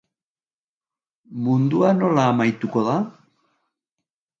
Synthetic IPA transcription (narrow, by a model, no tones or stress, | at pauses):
mund̪uano̞laːmajt̪uko̞ða